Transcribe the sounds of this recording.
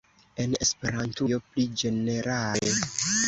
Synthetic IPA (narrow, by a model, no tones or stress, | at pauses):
e̞ne̞spe̞ɾantujo̞plid͡ʒe̞ne̞ɾale